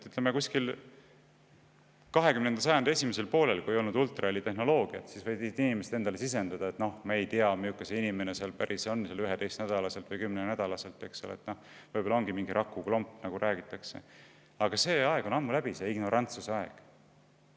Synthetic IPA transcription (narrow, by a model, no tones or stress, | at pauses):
yt̪ːˑlemekuskil | kɑɦe̞kymne̞nd̪ɑsɑjɑnd̪̥ɑe̞sʲimese̞lpo̞ːle̞lkuejo̞lnud̪ult̪ˑrɑelʲit̪e̞ɦno̞lo̞ːɡ̥iɑ̰t̪sisvɤjd̪isit̪inimeset̪e̞nd̪ɑle̞sis̬e̞nd̪ɑd̪̥ɑet̪no̞hmɑejt̪iɑmiukːˑɑseinime̞ne̞seɑlpæɾʔiseonːselyɦed̪e̞jst̪næd̪̥ɑlɑse̞lt̪vɤjkymnenæd̪̥ɑlɑse̞lt̪ˑːeksolḛḛt̪ːno̞hvɤjbo̞lɑo̞ŋɡimiŋɡiɾʔɑkˑːuklo̞mpːˑnɑɡ̥uɾʔæːɡ̥it̪ːˑɑkse̞̰ | ɑɡ̥ɑse̞ːɑeɡ̥o̞nɑmːulæb̥iseiɡ̥no̞ɾʔɑnt̪suseɑe̞̰ɡ̥